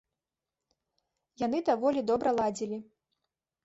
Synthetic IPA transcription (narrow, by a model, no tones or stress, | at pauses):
jan̪ɨd̪avɔlʲid̪ɔbɾɐlˠad͡zʲilʲi